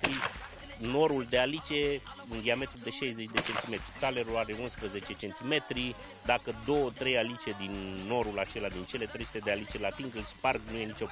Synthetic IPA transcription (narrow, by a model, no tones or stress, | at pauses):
t̪ɾi | no̞ɾuld̪e̞alit͡ʃe̞ | ɨnd̪iame̞t̪ɾud̪e̞ʃejze̞t͡ʃʲd̪e̞t͡ʃe̞nt̪ime̞t̪ɾit̪ale̞ɾulaɾe̞unspɾəze̞t͡ʃe̞t͡ʃe̞nt̪ime̞t̪ɾi | d̪akəd̪o̞wət̪ɾe̞jalit͡ʃe̞d̪inːo̞ɾulat͡ʃe̞lad̪int͡ʃe̞le̞t̪ɾe̞jsu̥t̪e̞d̪ealit͡ʃe̞lat̪iŋɡɨlsparɡnuje̞nit͡ʃo